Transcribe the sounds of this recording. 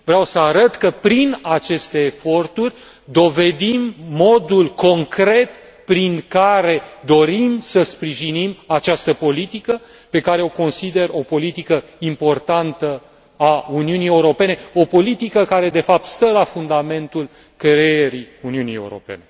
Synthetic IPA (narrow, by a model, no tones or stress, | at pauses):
vɾeawsəaɾət̪kəpɾinat͡ʃe̞st̪e̞ːfo̞rt̪urʲ | d̪o̞ve̞d̪imːo̞d̪ulko̞ŋkɾe̞t̪ | pɾiŋkaɾe̞d̪o̞ɾimsəspɾiʒinimat͡ʃast̪əpo̞lit̪ikə | pe̞kaɾeo̞ko̞nsid̪e̞ro̞po̞lit̪ikəimpo̞rt̪ant̪ə | auniunije̞uɾo̞pe̞neo̞po̞lit̪ikəkaɾe̞d̪e̞fap̚t̪st̪əlafund̪ame̞nt̪ul | kejeɾiuniunije̞uɾo̞̰pe̞̰ne